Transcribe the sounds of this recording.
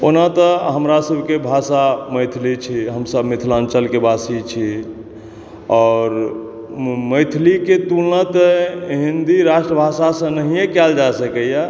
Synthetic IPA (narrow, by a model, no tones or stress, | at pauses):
onat̪əɦəmɾasəbʱkebʱasaməjt̪ʰlit͡ʃʰiɦəmsəbʱmit̪ʰlant͡ʃəlkebasit͡ʃʰi | ɔːɾ | məjt̪ʰliket̪ulnət̪əɦind̪iɾaʃʈɾəbʱasasə̃nəɦijekɛld͡ʒasəkəja